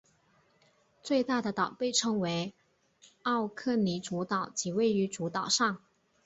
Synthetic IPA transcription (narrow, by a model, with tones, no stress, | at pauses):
t͡swe˥˧ɪt̪a˥˩d̪ə˩t̪ɑ˨˩ʊpe˥˩ɪʈ͡ʂʰɤ˧˥ŋwe˧˥ɪ | ɑ˥˧ʊkʰɤ˥˩ni˧˥ʈ͡ʂu˧˥t̪ɑ˨˩˦ʊt͡ɕi˨˩we˥˩ɪy˧˥ʈ͡ʂu˧˥t̪ɑ˨˩ʊʂɑ˥˩ŋ